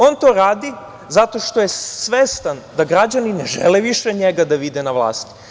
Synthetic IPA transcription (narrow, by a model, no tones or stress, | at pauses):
o̞nt̪o̞ːɾaːd̪i | zat̪o̞ʃt̪o̞jesʋest̪and̪aɡɾad͡ʑanineʒeleʋiʃeɲeɡad̪aʋid̪e̞naʋlˠa̰ːst̪i̥